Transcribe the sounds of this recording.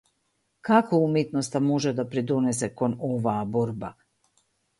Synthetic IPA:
kakoumjet̪nost̪amoʒed̪apɾed̪uneseko̞noʋaːboɾba

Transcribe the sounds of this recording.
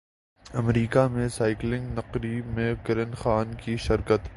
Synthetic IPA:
ɐmɾiːkamẽsaːɪklɪ̃ŋɡnɐqɾimẽkɐɾənxaːnkiʃɪɾkət̪

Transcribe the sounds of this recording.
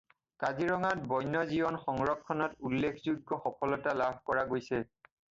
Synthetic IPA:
kaziɹɔŋat̚bɔjnɔzibɔnxɔŋɹɔkʰːɔnɔtulːekʰzuɡɔxɔpʰɔlɔtalabʱkɔɹaɡojsɛ

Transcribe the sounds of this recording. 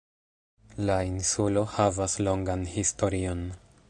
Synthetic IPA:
lainsulo̞havaslo̞ŋɡanhisto̞ɾio̞n

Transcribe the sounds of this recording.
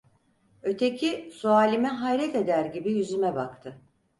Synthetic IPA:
ø̞t̪ʰe̞cʰisuaːlʲimɛɦajɾɛt̪e̞d̪æɾɟibijyzymɛbakt̪ʰɯ

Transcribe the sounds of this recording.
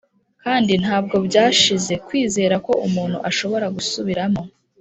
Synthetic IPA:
kaːndin̥haːbɡo̞bɟaːʃize̞kwiːze̞ːɾako̞ʔumuːn̥hṵʔaʃo̞βo̞ɾaɡusuβiɾamo̞

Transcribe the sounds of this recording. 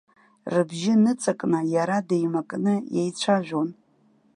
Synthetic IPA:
rɨbʒɪnɨt͡sʼakʼnɨjaɾadejmakʼnɨjḛjt͡ɕʷʰaʒᶣʷon

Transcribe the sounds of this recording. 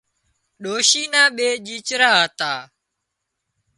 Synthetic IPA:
ɗoːʃiːnãːɓeːʄiːt͡ʃɾaːɦət̪aː

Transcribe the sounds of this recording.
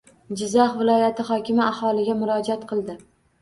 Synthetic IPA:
d͡ʒɪzɑχvɪlɒjat̪ʰɪχɒkʲʰɪmɪahɒlˠɪɡʲamʊɾɒd͡ʒat̪qʰɨlˠd̪ɪ

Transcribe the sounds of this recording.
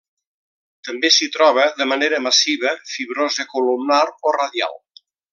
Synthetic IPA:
t̪əmbesit̪ɾɔβ̞əðəməneɾəməsiβ̞əfiβɾozðəkulumnaɾorəðja̰lˠ

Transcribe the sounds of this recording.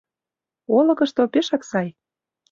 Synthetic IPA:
olɤ̆kɤ̆ʃt̪opeʃɑksɑj

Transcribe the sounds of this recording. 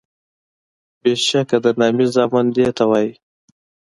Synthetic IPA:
beʃakad̪ənɑmizɑːmand̪et̪awɑːji

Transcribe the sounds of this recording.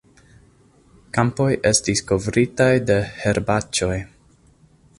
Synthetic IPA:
kampo̞jʔe̞stisko̞vɾitajde̞he̞ɾbat͡ʃo̞j

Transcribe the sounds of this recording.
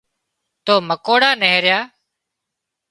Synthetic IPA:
t̪oːməkoːɽaːneɦɾjaː

